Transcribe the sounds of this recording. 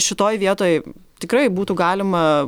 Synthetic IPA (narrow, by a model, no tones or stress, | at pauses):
ʃʲɪt̪oːjʋʲiɛt̪oːjt̪ʲɪkɾɐɪbuːt̪uɡɑːlʲɪmɐ